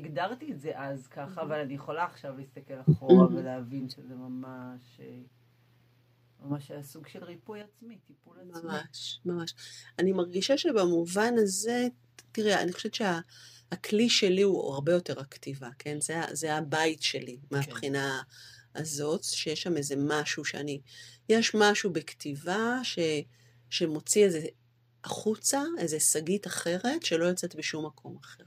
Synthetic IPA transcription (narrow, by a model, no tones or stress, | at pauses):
iɡdaʁt̪ietzeʔazkaχaːvalanijeχo̞laːχʃavlist̪ake̞laχoʁaveleavinʃezemamaʃe | mamaʃeasuɡʃelʁipujat͡smitipulmamaʃmamaʃanimaʁɡiʃaʃebamuvanaze̞ | tiʁea̰nixχoʃevetʃeaː | kʰliʃe̞liua̰ʁbe̞jo̞te̞ʁaktivakʰe̞nzea̰zeabajtʃe̞limeapχinaː | zo̞tʃejeʃːame̞ze̞maʃuʃea̰nijeʃmaʃubektivaʃe̞ | ʃe̞mo̞t͡sieze̞ | ʔaχut͡sae̞zesaɡitaχe̞ʁe̞tʃe̞lo̞jot͡setbeʃumːakʰo̞maχe̞ʁ